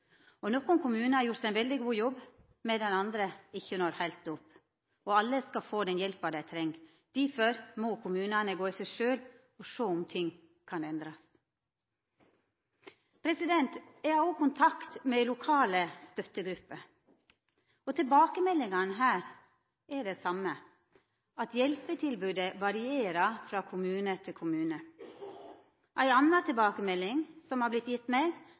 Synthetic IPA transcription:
ɔnɔkʊnkʊmʉːnəhɑɾjʊɾt̪æɪnʋɛld̪ɪɡuːjɔbː | mɛd̪ɛnɑnd̪ɾəɪçːənɔɾhæɪlt̪̚d̪ʊpː | ɔɑlːəskɑfoːd̪ɛnjɛlpɑd̪æɪt̪ʰɾɛŋ | d̪̥ifɔɾmɔkʰʊmʉːnɑnəɡoːisæɪʃøːl | ɔʃoːʊmt̪ʰɪŋː | kʰɑnɛnd̪ɾɑs | pʰɾɛsɪd̪ɛnt̪ɛɑokʊnt̪ʰɑkt̪meːlʊkʰɑːləst̪œt̪əɡɾʉpːə | ot̪ʰɪlbɑːkəmɛlːɪŋɑnɦæːɾ | ɛɖeːsɑmə | ɑt̪jɛlpət̪ʰɪlbʉːd̪əʋɑɾɪeːɾɑfɾɑːkʰʊmʉːnət̪ʰɪlkʰʊmʉːnə | ʔæɪɑnːɑt̪ʰɪlbɑːkəmɛlːɪŋsɔmhɑːblɪt̪jɪt̪ːmeːɡ

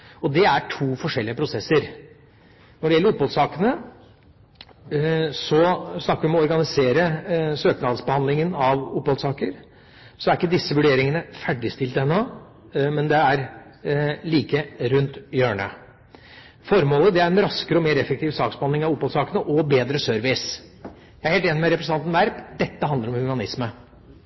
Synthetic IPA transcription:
ɔd̪ɛæʈʰuːfɔʂɛlːɪəpʰɾʊsɛsːəɾ | nɔɖɛjɛlːəɾʊpːɔlsɑːkənə | sɔsnɑkːəɾʋɪmɔɔɾɡɑnɪseːɾəsøːknɑd̪sbəhɑnd̪lɪŋənɑʋʊpːhɔlsɑːkəɾ | sɔæɾɪkːəd̪ɪsːəʋʉɖeːɾɪŋənəfæɖɪst̪ɪlt̪əɛnːɔ | mɛnd̪ɛæɾ | liːkəɾʉnt̪jøːɳə̰ | fɔɾmoːləd̪ɛæɾɛnɾɑskəɾəɔmeːɾɛfːɛk̚t̪ɪːʋsɑːksbəhɑnlɪŋɑʋʊpːhɔlsɑːkənəʔɔbeːd̪ɾəsœɾʋɪs | jæɪæheːlt̪eːnɪmɛɾɛpɾəsn̩ɑnʋæɾpd̪ɛt̪ːəhɑnd̪əɾɔmhʉɑnɪsmə

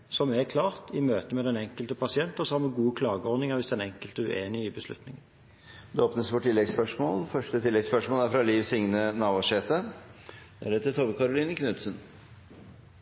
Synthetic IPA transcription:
sɔmɛkʰlɑːʁt̪ɪmøːt̪əmɛd̪ɛnɛŋkəlt̪əpʰɑsɪɛnt̪əsɔɑməɡuːəkʰlɑːɡəɔʁd̪nɪŋəʁʋɪsd̪ɛnɛŋkəlt̪əʉʔḛːnɪɪbəslʉ̰t̪nɪŋən | d̪ʉoːpnəsʋɔʈʰːɪlːɛɡspœʂmoːlfœʂʈət̪ʰɪlːɛɡspœʂmoːlæɾfɾɑliːʋsɪŋnənɑːʋɑɕɛːt̪ə | d̪̥ɛæɖɛt̪ːət̪ʰɔʋəkʰɑɾʊliːnəkʰnʉt̪sən

